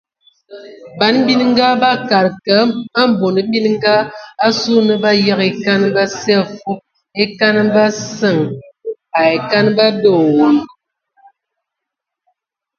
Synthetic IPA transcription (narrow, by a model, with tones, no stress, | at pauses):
ba˨˦nbi˦n˦ŋ̩˦ɡa˦ba˦ka˨ɾkə˨˦a˦m˦bo˨nə˨bi˦n˦ŋ˦ɡa˦a˦su˦nə˦ba˦ja˦ke˨ka˦n˦ba˦sɛ˦a˨fu˦ | e˦ka˦n˦ba˦sə˨ŋ | a˨e˨ka˦nba˦do˦˨wo˨˦